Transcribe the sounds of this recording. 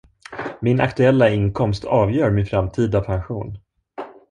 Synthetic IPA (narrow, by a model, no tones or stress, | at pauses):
mɪna̰kt̪ɵɛlːaɪnkʰɔmst̪ʰɑːvjœːɾmɪnfɾamt̪ʰiːd̪apʰanɧuːn